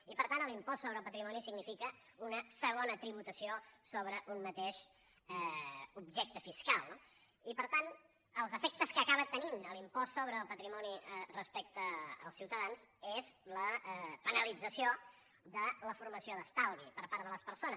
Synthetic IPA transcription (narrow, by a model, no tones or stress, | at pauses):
ipəɾt̪anəlimpɔssːoβɾəːlˠpət̪ɾimɔnisiɡnifikə | unəsəɣ̞onət̪ɾiβ̞ut̪əsiosoβɾəʔunmət̪eʃ | ɛubʒɛk̚t̪əfiskalˠno | ipəɾt̪an | əlˠzəfɛk̚t̪əskəːkaβət̪ːəninəlimpɔsːoβɾəːlˠpət̪ɾimɔnirəspɛk̚t̪ə̰ːlˠsiwt̪əðanzezləpənəlid͡zəsio | d̪ələfuɾməsioðəst̪alˠβipəɾpaɾðələspəɾsonəs